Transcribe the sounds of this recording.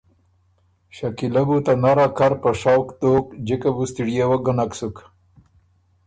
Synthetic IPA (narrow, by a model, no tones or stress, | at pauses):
ʃakilabut̪anaɾakaɾpaʂawkd̪oːkd͡ʒikabust̪iɽijewaɡənaksuk